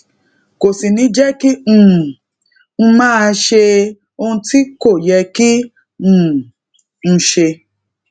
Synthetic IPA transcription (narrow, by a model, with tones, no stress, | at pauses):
ko˨si˨nĩ˨˦d͡ʒɛ˦kĩ˦˨ | n̩˧˦mãː˦˧ʃe˧ | o˧hũ˧ti˦ko˦˨jɛ˧kĩ˦˨ | ñ̩˧ʃe˧